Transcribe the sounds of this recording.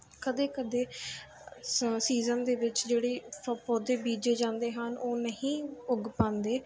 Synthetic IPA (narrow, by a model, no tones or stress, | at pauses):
kəd̪eːkəd̪eː | siːzənd̪eːʋɪt͡ʃd͡ʒeːɽeːpəpoːd̪eːbiːd͡ʒeːd͡ʒãːnd̪eːɦənʔoːnəɦĩːʊɡpãːnd̪eː